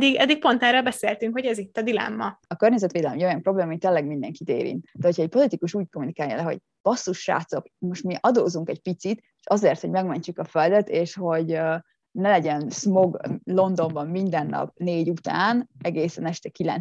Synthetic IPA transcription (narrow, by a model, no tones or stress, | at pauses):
d̪iɡɛ̰d̪ːik̚pont̪ɛːɾolbɛseːlt̪yŋkho̞ɟɛzit̪ːɒd̪ilɛ̰mːɒɒkørɲɛzɛt̪ʋeːd̪ɛlɛmɛɟo̞jɒmpro̞bleːmɒːmit̪eːlɛɡmind̪ɛŋkit̪ḛːɾḭnt̪d̪ɛɦocʰɒɛc̚po̞lit̪ikuʃuːckomunikaːjɒ̰lɛɦo̞̰ɟ | b̥ɒsːuʃːa̰ːt̪so̞kmo̞ʃt̪miʔɒd̪oːzuŋkɛɟ̚pit̪sit̪ | eʃɒzeːrt̪ho̞ɟmɛɡmɛɲt͡ʃukɒføld̪ɛt̪eːʃho̞ɟ | nɛlɛɟɛnsmo̞ɡlo̞nd̪o̞mbɒmːind̪ɛnːɒ̰pneːɟut̪aːnɛɡeːsɛnɛʃt̪ɛkilɛ̰n